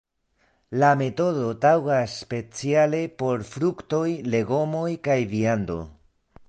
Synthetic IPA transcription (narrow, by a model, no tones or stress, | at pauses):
lame̞to̞ðo̞tawɡasːpe̞t͡siale̞po̞ɾfɾukto̞jle̞ɡo̞mo̞jkajviando̞̰